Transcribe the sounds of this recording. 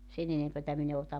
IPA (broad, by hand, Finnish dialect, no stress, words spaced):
sen enempætæ min e otɑm